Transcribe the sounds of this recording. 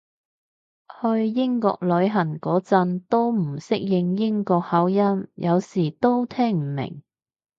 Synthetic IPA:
hɵ˧ɥjɪ˥ŋkɔ̰ː˧k̚lɵ˨˧ɥɦɐ˨˩nkɔː˨˥t͡sɐ˧nt̪o˥wm̩˨˩sɪ˥k̚jɪ˧ŋjɪ˥ŋkɔː˧k̚hɐ˨˥wjɐ˥mjʔɐ˨˧wsiː˨˩t̪o˥wt̪ʰɛː˥ŋm̩˨˩mɪ̰˨˩ŋ

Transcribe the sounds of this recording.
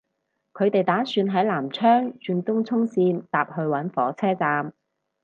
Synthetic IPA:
kʰɵ˨˧ɥt̪e˨jt̪aː˨˥syː˧nɦɐ˨˥jlaː˨˩mt͡ʃʰœː˥ŋt͡ʃyː˧nt̪ʊ˥ŋt͡sʰʊ˥ŋsiː˧nt̪aː˨p̚hɵ˧ɥwɐ˨˥nfɔː˨˥t͡sʰɛː˥t͡saː˧m

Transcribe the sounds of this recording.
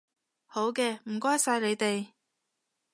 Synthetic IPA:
ho˨˥wkɛː˧m̩˨˩kɔː˥jsaː˧jle˨˧jt̪e˨j

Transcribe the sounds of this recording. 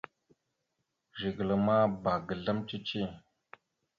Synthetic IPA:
ʒi˨ɡə˨lə˨ma˦ba˨ɡə˨ɮa˦mt͡ʃi˦t͡ʃi˦˨

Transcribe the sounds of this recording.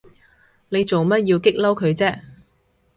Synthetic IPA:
ne˨˧jt͡so˨wmɐ˥t̚jiː˧wkɪ˥k̚lɐ˥wkʰɵ˨˧ɥt͡sɛː˥

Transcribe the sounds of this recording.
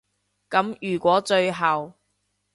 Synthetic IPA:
kɐ˨˥mjyː˨˩kʷɔː˨˥t͡ʃɵ˧ɥɦɐ˨w

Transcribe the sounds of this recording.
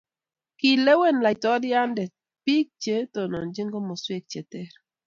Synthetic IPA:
ki˨le˦we˦nla˨tɔ˦dɪ˦a˦ndɛ˨ | pi˦k̚t͡ʃe˦to˨nɔ˨nd͡ʒɪ˦ŋɡɔ˦mɔ˨swe˦k̚t͡ʃe˨tɛ˦ɾ

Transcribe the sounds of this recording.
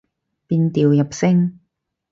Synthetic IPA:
piː˧nt̪iː˨wjɐ˨p̚sɪ˥ŋ

